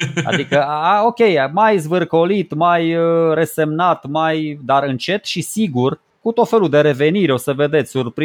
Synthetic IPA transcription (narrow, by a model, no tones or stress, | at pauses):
a̰dd̪ikəaao̞kʲe̞jmajzvɨrko̞lit̪majɾe̞se̞mnat̪majd̪aɾɨnt͡ʃe̞t̪ʃisiɡur | kut̪o̞t̪fe̞luld̪e̞ɾe̞ve̞niɾeo̞səve̞d̪e̞t̪sʲsurpɾ